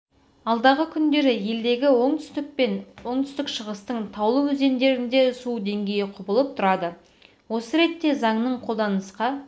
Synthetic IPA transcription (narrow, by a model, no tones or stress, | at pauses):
ɑlˠd̪ɑʁəkʲʰʏnd̪e̞ɾɪje̞ld̪e̞ɡʲɪwoɴt̪ʏ̥st̪ɪk̚pe̞nwo̞ɴt̪ʰʏ̥st̪ɪkʃəʁəst̪əɴt̪ʰɑwlˠəwɵze̞nd̪e̞ɾɪnd̪e̞sud̪e̞ŋɡʲe̞jɪqʰʊbəlˠəp̚t̪ʰʊɾɑd̪ə | wo̞səɾe̞t̪ːe̞zɑɴnəɴqʰo̞lˠd̪ɑnəsqɑ